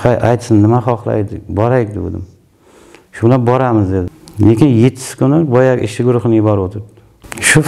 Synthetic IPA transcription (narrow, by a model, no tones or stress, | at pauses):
hajʔajt̪sɪnnːɪmaχɒχlˠa̰jd̪ɪbɒɾajkʲd̪ɪo̰d̪ɪ̰m | ʃʊblanbɒɾamɪzd̪ed̪ɪlekʲɪnjet̪ʰːɪ̥skʲʰʊnɪbɒjaɡʲɪ̰ʃɪɡʊɾʊχɨnɪjɪbɒɾot̪ʰɪɾd̪ɪ | ʃʊ